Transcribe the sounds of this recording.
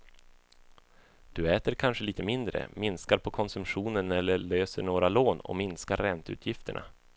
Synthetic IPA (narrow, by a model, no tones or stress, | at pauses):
d̪̥ɵɛːt̪əɾkʰanʂəliːt̪əmɪnd̪ɾə̰mɪnskaɾpʰɔkʰɔnsɵmɧuːnənɛlːəɭøːsəɳoːɾaloːnɔ̰mɪnskaɾːɛnt̪ʉ̟ːt̪ʰjɪft̪əɳʔa̰